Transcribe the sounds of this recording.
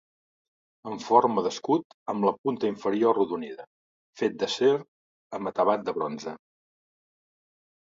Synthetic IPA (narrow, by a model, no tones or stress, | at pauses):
əɱfoɾməðəskut̪əmləpunt̪əiɱfəɾioruðuniðə | fet̪̚d̪əseɾ | əmbət̪əβat̪̚d̪əβɾɔnzə